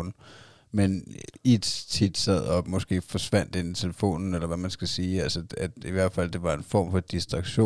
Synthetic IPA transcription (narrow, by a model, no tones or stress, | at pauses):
n̩ | menid̥t͡sʰid̥sæð̞̰ˠɒ̽mɒ̽sɡ̥e̝̰ːfɒ̽sʋæn̰d̥e̝nit͡sʰe̝ləfo̝̰ːnn̩elɐʋæmænsɡ̥æsiːælsəæd̥iʋæɐ̰d̥fæl̰d̥e̝ʋɑ̈e̝nfɒ̰ːmfɒ̽d̥isd̥ʁɑ̈ɡ̥ɕo̝̰